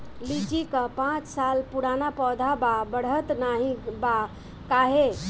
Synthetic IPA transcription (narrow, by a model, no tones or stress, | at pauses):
lid͡ʒikəpãt͡ʃsalpuɽanapɔd̪ʱababəɽ̤ət̪naɦĩba | kaɦe